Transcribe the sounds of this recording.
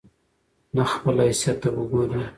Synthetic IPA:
naxpəlaɪsjat̪awəɡoɾi

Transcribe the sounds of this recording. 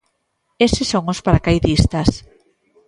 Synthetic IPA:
esɪsoŋʊspaɾakajðist̪as

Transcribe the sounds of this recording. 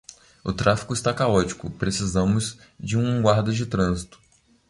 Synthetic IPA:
ʊt̪ɾafi̥kʊɪst̪akaɔt͡ʃi̥kʊpɾesizɐ̃mʊz | d͡ʒɪũɡwaɾd̪ɐd͡ʒɪt̪ɾɐ̃zit̪ʊ̥

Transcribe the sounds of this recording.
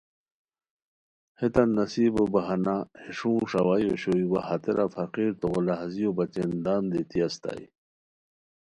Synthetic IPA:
het̪ɐnːɐsiːbobɐɦanaheʂũːʂawajoɕoiwahat̪eɾʔafʰɐqiːɾt̪oɣolaɦazijobɐt͡ɕend̪aːmd̪et̪iɐst̪a̰ḭ

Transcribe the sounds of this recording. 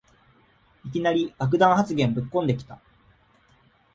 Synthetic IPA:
ikʲinaɾʲiɡ̥ak̬ɯ̟d̪ãɰ̃hat͡sɨɡẽ̞mbɯ̟kːõ̞nd̪e̞kʲi̥t̪a

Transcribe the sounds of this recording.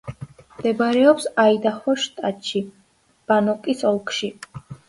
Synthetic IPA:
md̪̥ɛbaɾɛɔpsaid̪aχɔʃt̪ʼat̪ʃi | b̥anɔkʼisɔlˠkʰʼʃi

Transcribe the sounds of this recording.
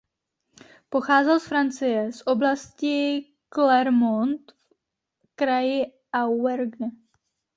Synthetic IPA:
po̞xaːzɛlsfɾant͡sɪjɛsʔo̞blascɪ | klɛɾmont̪f | kɾajɪ | ʔawɛɾɡn

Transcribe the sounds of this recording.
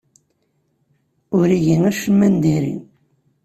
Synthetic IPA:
ʊɾiʝinæʃəmːænd̪iɾḭ

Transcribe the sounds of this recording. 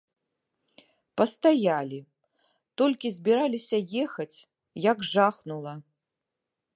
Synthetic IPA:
pɐst̪ajalʲi | t̪ɔlʲkʲizʲbʲiɾalʲisʲɐjɛxɐt͡sʲ | jaɡʐaxnulˠɐ

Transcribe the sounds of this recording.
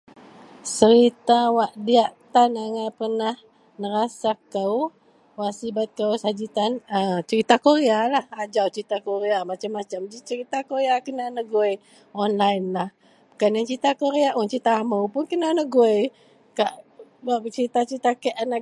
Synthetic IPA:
səɾit̪awaʔdiaʔt̪anaŋapərnah | nəɾasakəw | wasibat̪̚kəwsad͡ʒit̪anət͡ʃəɾit̪akoɾealahad͡ʒawt͡ʃəɾit̪akoɾeamat͡ʃamːat͡ʃamd͡ʒit͡ʃəɾit̪akoɾeakənanəɡoj | ɔnlainlah | bukanant͡ʃəit̪akoɾeaʔɔnt͡ʃəɾit̪aːməwpʊnkənanəɡoj | kaʔwaʔət͡ʃəɾit̪at͡ʃəɾit̪akɛʔana

